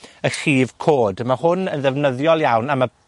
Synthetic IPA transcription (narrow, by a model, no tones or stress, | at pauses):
əχiːv̥kʰoːdmahʊnənðɛvnəðjɔlˠjawnamə